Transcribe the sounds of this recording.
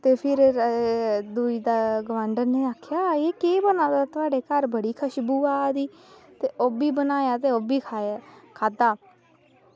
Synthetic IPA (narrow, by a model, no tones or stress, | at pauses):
t̪eːpʰɪɾ | d̪uːiːd̪aːɡəʋaːɳɖəɾneːaːkʰːjaːeːkeːbənaːd̪aːt̪ʊaːɖeːkəɾbəɽiːkʰəʃbuːaːd̪iː | t̪eːʔoːbiːbənaːjaːt̪eːoːbiːkʰaːd̪aː